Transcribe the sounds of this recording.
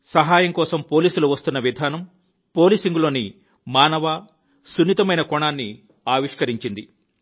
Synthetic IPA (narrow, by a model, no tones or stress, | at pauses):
sɐɦaːjɐŋkɔːsɐmpo̞ːliːsuluʋɐst̪unːɐʋid̪ʱaːnɐm | po̞ːliːsiŋɡulo̞ːni | maːnɐʋaː | sunːit̪ɐmɐjnɐkɔɳaːnːi | aːʋiʂkɐɾiɲt͡ʃind̪i